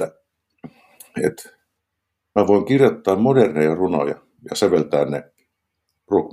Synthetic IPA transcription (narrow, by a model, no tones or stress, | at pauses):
ḛt̪ | mæʋoˑiŋkirjot̪ːɑːmmodernejɑruno̰jɑ̰ | jɑ̰seʋelt̪æːnne | ruok